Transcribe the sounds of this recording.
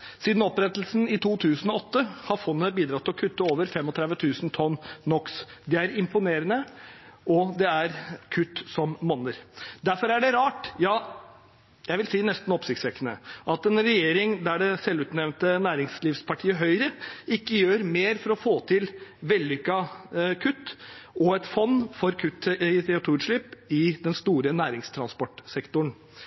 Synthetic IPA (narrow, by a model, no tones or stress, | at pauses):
siːd̪n̩ɔpɾɛt̪l̩sn̩ɪt̪ʰuːt̪ʰʉːsənɔɔt̪ːəhɑɾfɔnːəbiːd̪ɾɑt̪ʰːɪlɔkʰʉt̪ːəoːʋəɾfɛmːɔt̪ʰɾɛd̪ʋət̪ʰʉːsnt̪ʰɔnːɔksd̪ɛæɾɪmpʊneːɾənə | ʔɔd̪ɛæɾkʰʉt̪ːsɔmmɔnːəɾd̪æɾfɔɾæɖɛɾɑːʈjɑː | jæɪʋɪlsiːnɛst̪n̩ɔpsɪkt̪sʋɛkːənə̰ʔɑt̪ɛnɾɛjeːɾɪŋd̪æɖɛsɛlʉːt̪nɛʋnt̪ənæːɾɪŋsliːʋspʰɑʈʰiːəɦœʏɾəɪkːəjøːɾmeːɾfɔɾɔfoːt̪ʰɪlʋɛlːʏkːɑkʰʉt̪ːʔɔɛt̪fɔnːfɔɾkʰʉt̪ːt̪ʰɛt̪ʰuːɾʂɭɪpːɪd̪ɛnst̪uːɾənæːɾɪŋst̪ʰɾɑnspɔʈsɛkt̪ʊɳ